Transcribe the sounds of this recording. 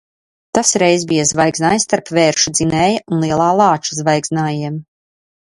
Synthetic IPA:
t̪asɾɛjzbijazvajɡznaːjst̪aɾpvɛːɾʃud̪zinɛːjɐʔunlˠiɛlˠaːlˠɑːt͡ʃu̥zvajɡznaːjiɛm

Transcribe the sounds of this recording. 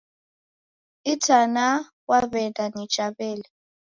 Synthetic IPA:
itʰana | waβɛndanɛ̥t͡ʃʼaβɛːlɛ

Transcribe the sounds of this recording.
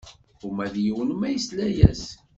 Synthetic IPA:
ʊmæðjəwənmæjəslæjæs

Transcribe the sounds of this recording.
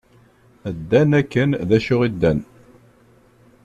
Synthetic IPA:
əd̪ːænækːənðæʃʊʁid̪ːæn

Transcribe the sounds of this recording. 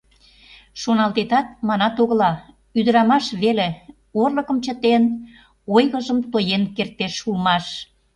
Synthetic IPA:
ʃonɑlt̪et̪ɑt̪̚mɑnɑt̪oɣəlɑ | yd̪əɾɑmɑʃβele | orləkəmt͡ɕə̆t̪en | ojɣəʒəmt̪ojenkert̪eʃulmɑʃ

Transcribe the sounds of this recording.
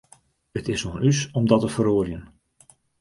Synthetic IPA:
ətɪsoənysɔmdɔtəfəɾoərjən

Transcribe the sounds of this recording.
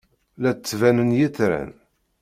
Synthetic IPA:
læt͡sːvænənjiθɾæ̰n

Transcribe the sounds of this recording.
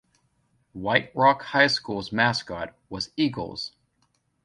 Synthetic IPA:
waɪt̚ɹɑkhaɪskulˠzmæskɑt̚wʌziɡl̩ˠz̥

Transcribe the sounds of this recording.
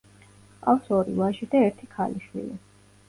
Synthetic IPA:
qʼafsɔɾivaʃid̪aɛɾt̪ʰikʰaliʃwḭli

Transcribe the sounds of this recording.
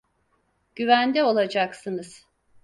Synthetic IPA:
ɟ̥yvænd̪ɛo̞lˠad͡ʒaksɯnɯz̥

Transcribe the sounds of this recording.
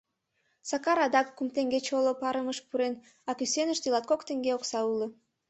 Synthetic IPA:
sɑkɑɾɑd̪ɑkːumt̪eŋɡet͡ɕolˠopɑɾəməʃpuɾen | ɑkysenəʃt̪ilɑt̪̚kokt̪eŋɡeoksɑulˠə

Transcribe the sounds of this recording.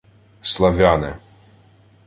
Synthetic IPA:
slˠɐʋʲanɪ̰

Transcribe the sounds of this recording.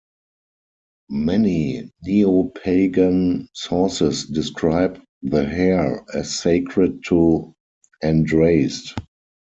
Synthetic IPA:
mɛniniopʰeɪɡãnsɔsɪsdɪskʰɹaɪb | ðəɦɛɹɛseɪkʰɹətʰːu | ɛ̃ndɹeɪst

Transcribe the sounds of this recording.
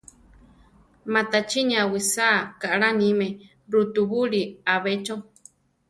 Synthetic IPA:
mãt̪at͡ʃinĩawisakaʔɺanĩmẽ | ɾut̪uβuɺiaβet͡ʃo

